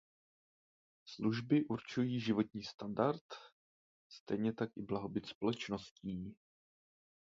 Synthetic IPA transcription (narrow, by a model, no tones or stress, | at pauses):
sluʒbɪʔuɾt͡ʃujiːʒɪvo̞t̪ɲiːst̪andaɾt̪ | st̪ɛjɲɛt̪akʔɪblaɦobɪt̪spo̞lɛt͡ʃno̞sciː